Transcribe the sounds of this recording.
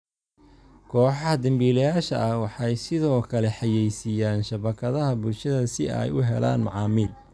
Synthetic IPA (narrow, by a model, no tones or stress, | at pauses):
kʰɔːħɑɦɐd̪ɐmbiːlɐjaːʃɐ̰ʔɐwɑħɑjsɪðɔːkʰɐlɛħɑjɛjsijaːnʃɐβɐkʰɐðɐɦɐbʊlʃɐðɐsɪɛ̰jʊɦɛ̰la̰ːnmɑ̰ʕɑːmiːl